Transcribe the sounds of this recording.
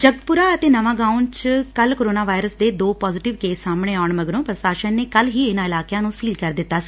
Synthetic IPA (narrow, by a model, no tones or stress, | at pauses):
d͡ʒəɡət̪̚pʊɾaːət̪eːnəʋãːɡaːunt͡ʃkəlkoːɾoːnaːʋaːɪɾəsd̪eːd̪oːpɔːzɪʈɪʋkeːsːaːmɳeːaːʊɳməɡɾõːpɾəʃaːʃənːeːkəlɦiːɪnãːɪlaːkjãːnũːsiːlkəɾd̪ɪt̪ːaːsi̥ː